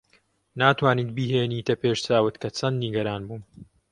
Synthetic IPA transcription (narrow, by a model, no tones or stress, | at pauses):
naːt̪waːniːt̪̚biːɦeːniːt̪ɐpeːʃt͡saːwɨt̪kʰɐt͡sʰɐnniɡɐɾaːnbuːm